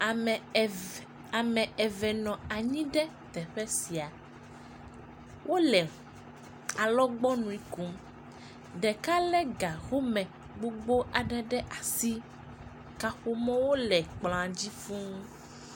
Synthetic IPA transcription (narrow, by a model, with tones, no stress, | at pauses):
a˨mɛ̃˨ɛ˨vɛ˨nɔ̃˨a˨ɲĩ˦ɖɛ˦t̪ɛ˨ɸɛ˦si˨a˨ | wʔo˦lɛ˨ | a˨lɔ˦ɡ͡bɔ˦nũ˨i˦ku˦m | ɖɛ˨ka˦lɛ˦ɡa˨ɣo˦mɛ̃˨ | ɡ͡bo˦ɡ͡bo˦ʔa˨ɖɛ˦ɖɛ˦ʔa˨si˦ | ka˨ɸo˦mɔ̃˦wo˦lɛ˨k͡pl̃a˨d͡ʑi˦fũ˦